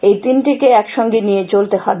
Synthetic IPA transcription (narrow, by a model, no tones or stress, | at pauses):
ejt̪inʈikeɛkʃɔŋɡenijet͡ɕolt̪ehɔbe